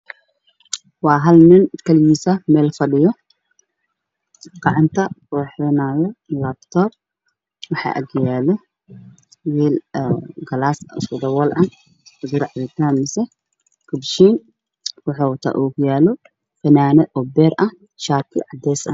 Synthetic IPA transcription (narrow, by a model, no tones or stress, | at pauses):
wɑːɦɐlnɪnkʰɐljiːsɐmɛːlfɐɖɪjɔ | qɑʕɑnt̪ʰɐruːħɛnaːjɛlɐbt̪ʰɔːb̚ | wɑħɑ̰ʔɐ̰ɡjaːlɛ | wiːlɡɐlaːssʊd̪ɐwɐlʔɐ | ʊɡʊɾʕɑðɛt̪ʰaːmɪsɛ | kʰʊbʃiːn | ʊħuːwɐt̪ʰa̰ːʔuːkʰʊjaːlɔ | fɐnaːnɛʔɔbɛːɾʔɐ | ʃaːt̪ʰɪ̰ʕɑd̪ɛːsɐ̰